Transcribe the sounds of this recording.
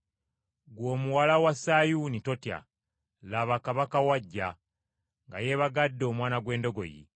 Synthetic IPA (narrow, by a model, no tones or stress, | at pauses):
ɡwo̞ːmuwalawasajunito̞tja̰ | laβakaβakawaɟːa | ŋɡa̰je̞βaɡadːo̞ːmwaːnaɡwe̞ːndo̞ɡo̞̰jḭ